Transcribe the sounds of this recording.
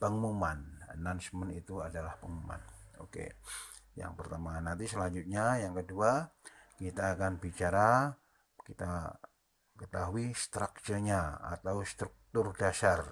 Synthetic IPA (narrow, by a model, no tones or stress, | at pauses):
pəŋumanə̰nansmənit̪uadalahpəŋuma̰no̰kḛ | ja̰ŋpərt̪amanːant̪isəlaɲd͡ʒut̪̚ɲajaŋkəduakit̪aːkanbit͡ʃaɾa | kit̪a | kət̪aɦuist̪ɾak̚t͡ʃəɲaa̰t̪awst̪ɾuk̚t̪ʊrdasar